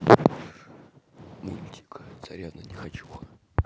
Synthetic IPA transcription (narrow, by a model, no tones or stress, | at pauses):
mulʲt̪ʲi̥kt̪sɐɾʲanənʲɪxɐt͡ɕu